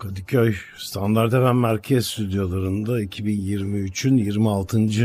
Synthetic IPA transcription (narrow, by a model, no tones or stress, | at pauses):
kʰad̪icʰøj | st̪ʰand̪aɾt̪evænmæɾcʰɛzst̪ʰyd̪jo̞lˠaɾɯnd̪aicʰibinjiɾmiyt͡ʃʰynjiɾmialˠt̪ʰɯnd͡ʒɯ